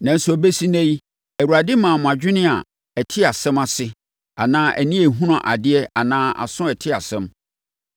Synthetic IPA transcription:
nã˨n̩˦sɔ˨be˦si˦næ̃˦ji˦ | æ˨wu˨ɾa˨dɪ˦mãː˨mʊ̃˨a˨d͡ʑᶣɪ˦nɪ̃˦a̰˨ | æ˨tʰɪ˦a˨sɛ̃˦ma˨sɪ˦ | a˨nãː˦ʔæ̰˨nĩ˦e˨ɦũ˦nã˨ʔa˨dɪ˦ɛ˦a˨nãː˦a̰˨sʊ̃˦ɛ˨tʰɪ˦a˨sɛ̃˦m

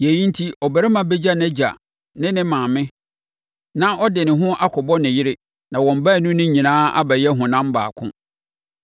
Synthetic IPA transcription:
je˨ji˦n̩˦tʰi˦ʔɔ˨bæ˨ɾɛ˦mã˨be˦d͡ʑa˦nɛ˦d͡ʑa̰˨ | nɪ̃˦nɪ̃˦mãː˨mɪ̃˦ | nã˦ʔɔ˦dɪ˨nɪ̃˨ɦʊ̃˦ʔa˦kʰɔ˨bɔ˦nɪ̃˨jɪ˦ɾɪ˦ | nã˨wɔ̃˨m˨ba˦˨nũ˦nɪ̃˦ɲĩ˨nãː˦a̰˦bæ˨jɛ˦ɦʊ̃˨nã˦m˦ba̰ː˨kʰʊ̰̃˦

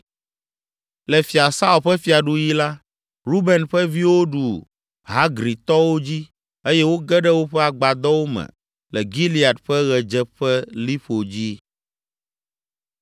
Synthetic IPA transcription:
lɛ˨fi˨a˨sa˦u˨ɸɛ˦fi˨a˨ɖu˦ji˦la˦ | ɾu˦bɛ˨nɸɛ˦vi˦wo˦ɖu˨ | ɦa˦ɡɾi˨t̪ɔ˦wo˦d͡ʑi˦ | e˦jɛ˦wo˦ɡɛ˦ɖɛ˦wo˦ɸɛ˦a˨ɡ͡ba˨d̪ɔ˦wo˦mɛ̰̃˨ | lɛ˨ɡi˦li˦˨a˨dɸɛ˦ɣɛ˨d͡ʒɛ˦ɸɛ˦li˦ɸo˨d͡ʑi˦

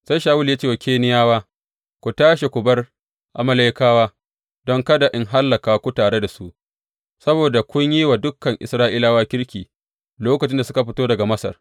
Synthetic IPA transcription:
sa˦jʃaː˨wʊ˦ljaː˦t͡ʃeː˦˨wa˨kʲʰeː˦nɪ˦jaː˦waː˦ | kʷu˨taː˦ʃe˨kʷʊ˨bɐ˦r | ʔa˨mɐ˦la˦jkaː˦waː˦ | dɔ˦ŋkɐ˦da˨ʔɪ˦ŋɦa˦lːɐ˨kaː˨˦kʷu˦taː˨ɽe˦da˨su˦ʔ | sɐ˦boː˨da˨kʷʊ˦ɲjiː˦waː˨dʊ˦kːɐ˨ŋʔɪ̰˨sɾaː˦ʔɪ˦laː˦waː˦kʲɪ˦ɽkʲiː˨ | loː˦kɐ˨t͡ʃɪ˦nda˨sʊ˦ka˨ɸɪ˦toː˦dɐ˨ɡa˨mɐ˦sɐ̰˨r

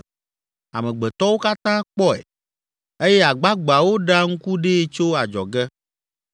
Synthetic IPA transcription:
a̰˨mẽ˨ɡ͡bɛ˨t̪ɔ˦wo˦ka˦t̪ã˦k͡pɔ˦ɛ̰˨ | e˦jɛ˦a˨ɡ͡ba˦ɡ͡ba˨wo˦ɖa˦ŋ̩˦ku˦ɖe˦t͡ʃo˦a˨d͡ʒɔ̰˨ɡɛ˦

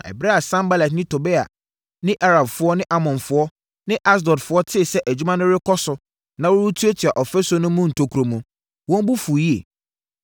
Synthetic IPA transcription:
ɛ̰˨bɾɛ˦a˨sã˦mba˦lɛ˨t̬nɪ̃˦tʰʊ˨bɛ˦a̰˨ | nɪ̃˦ʔa˦ɾa˨bfʊ˦ɔ˦nɪ̃˦ʔa˦mɔ̃˨nfʊ˦ɔ˦ | nɪ̃˦ʔa˦s̬dɔ˨dfʊ˦ɔ˦tʰɪ˦˨sɛ˦ʔæ˨d͡ʑᶣu˦mã˦nʊ̃˦ɾɪ˦kʰɔ˦sʊ˨ | nã˨wʊ˦ɾu˦tʰu˦e˦tʰi˨a˨ʔɔ˨fɛ˦so˦nʊ̃˦mũ˦n̩˨tʰo˨kʰu˨ɾo˨mũ˨ | wɔ̃˦mbʊ˦fu˨ji˦e˨

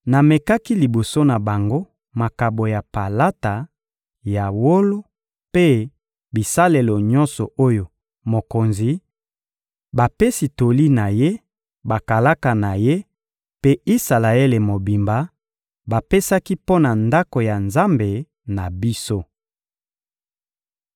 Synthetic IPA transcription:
na˨me˨ka˦ki˦li˨bo˨so˦na˨ba˨ŋɡo˦ | ma˨ka˨bo˨ja˨pa˨la˦ta˨ | ja˨wo˦lo˦ | pe˦ | bi˨sa˦le˨lo˨ɲɔ˦nsɔ̰˨ʔo˦jo˨ | mo˨ko˨nzi˨ | ba˨pe˦si˨to˨li˦na˨je˦ | ba˨ka˨la˦ka˨na˨je˦ | pe˦i˦sa˨la˨e˦le˨mo˨bi˨mba˨ | ba˨pe˦sa˦ki˦po˦na˨nda˦ko˨ja˨nza˦mbe˨ | na˨bi˦so˦

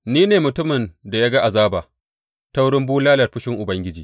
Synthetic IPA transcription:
niː˦neː˨mʊ˨tʊ˦mɪ˨nda˨ja˦ɡa˦ʔa˨zaː˦baː˨ | ta˦wɽɪ˦mbuː˦laː˦lɐ˨rɸɪ˦ʃɪ˦ŋʔʊ˨bɐ˦ŋɡʲɪ˦d͡ʒiː˨

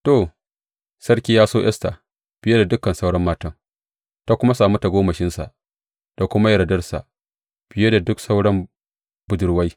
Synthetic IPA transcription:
to˨ | sɐ˦ɽkʲiː˦jaː˦soː˦ʔɛ̰˦sta˨ | b̥ɪ˨je˦da˨dʊ˦kːɐ˨nsa˦wɽɐ˦mːaː˦tɐ˦ŋ | ta˦kʷʊ˦ma˦saː˨mu˦ta˨ɡʷoː˦mɐ˨ʃɪ˦nsa̰˨ʔ | d̥a˨kʷʊ˦ma˦jɐ˨ɽɐ˨dɐ˦rsa̰˨ʔ | ɸɪ˨je˦da˨dʊ˦ksa˦wɽɐ˦m | bʊ˨dʊ˨ɽwa˦j

